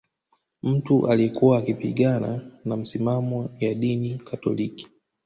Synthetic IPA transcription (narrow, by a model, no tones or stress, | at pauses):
m̩tuʔaliɛkuwaːkipiɠana̰nam̩simamɔjaɗinikʰatɔ̰liki̥